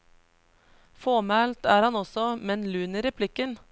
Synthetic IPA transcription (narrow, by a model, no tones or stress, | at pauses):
foːmælt̪æːɾhɑnɔsɔmɛnlʉːnəɾɛpʰlɪkən